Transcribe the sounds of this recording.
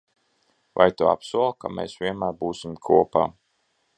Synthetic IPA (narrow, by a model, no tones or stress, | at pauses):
va̰jt̪ua̰psuɔlˠkameːsvʲiɛnmæːɾbuːsʲimkʰuɔpaː